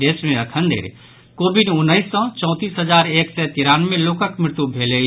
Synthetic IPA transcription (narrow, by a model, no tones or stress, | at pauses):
esmeəkʰənd̪ḛɾ | kobiɖunːəɪsːɔ̃t͡ʃɔ̃ʊ̃t̪isɦəd͡ʒaɾeksɛt̪iɾanmẽlokəkmɾɪɾt̪ubʱele